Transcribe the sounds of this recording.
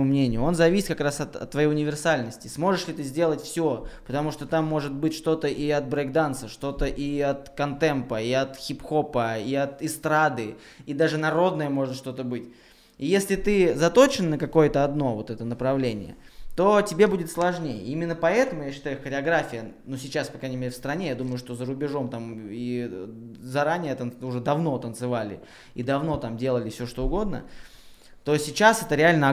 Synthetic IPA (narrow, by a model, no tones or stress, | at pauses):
umnʲenʲɪjʊo̞nzɐvʲisʲɪt̪̚kɐkɾasɐt̪ɐ̰t̪ːvɐjejʊnʲɪvʲɪrsalʲnəsʲtʲɪsmo̞ʐɨʂlʲɪt̪ɨzʲdʲe̞lˠətʲfsʲopət̪ɐmuʂt̪o̞t̪amːo̞ʐɨt̪̚bɨtʲʂt̪o̞t̪əʔiɐt̪̚bɾɐɡd̪ant̪səʂt̪o̞t̪əʔiɐt̪kɐnt̪ɛmpəiɐt̪xʲipxo̞pəiɐt̪ɪst̪ɾad̪ɨ | id̪aʐɨnɐɾo̞d̪nəjəmo̞ʐɨt̪ʂt̪o̞t̪əbɨtʲ | ijesʲlʲɪt̪ɨzɐt̪o̞t͡ɕɪnənəkɐko̞jət̪əɐd̪no̞vot̪ɛt̪ənəpɾɐvlʲenʲɪ̰jə̰ | t̪o̞tʲɪbʲe̞budʲɪt̪slˠɐʐnʲejə̰imʲɪnːəpɐɛt̪əmʊjaɕːɪ̥t̪ajʊxəɾʲɪɐɡɾafʲɪjənusʲɪt͡ɕaspɐkɾanʲɪmʲeɾʲɪfst̪ɾɐnʲe̞jad̪uməjʊʂt̪o̞zəɾʊbʲɪʐo̞mt̪ami | zɐɾanʲɪjət̪ənʊʐɛd̪ɐvno̞t̪ənt̪sɨvalʲɪ̰ | ḭd̪ɐvno̞t̪amdʲe̞lˠəlʲɪfsʲoʂt̪oʊɡo̞d̪nə̰ | t̪o̞sʲɪt͡ɕasɛt̪əɾʲɪalʲnə